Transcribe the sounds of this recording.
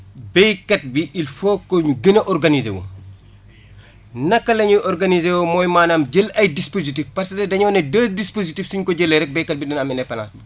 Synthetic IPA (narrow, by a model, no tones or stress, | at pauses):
bɛjkɐt̚biʔilfokːoɲuɡənɐʔɔɾɡɐnizḛwo̰ | nɐkːɐlɐɲuʔɔɾɡɐnizewomɔːjmaːnɐmɟəlɐjdispozitifpɐrsɐtɛdɐɲɔːnɛdɐsdispozitifsiɲkɔɟəlːɛɾɛk̚bɛjkɐt̚bidɐnɐmɛnɛpɐna̰sbu